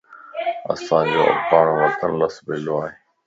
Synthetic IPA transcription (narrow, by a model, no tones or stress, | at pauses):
ɐ̰sãːd͡ʑo̰ːʔɐ̰paːɳ̃oʋət̪ənləsbeːloːaːɦeː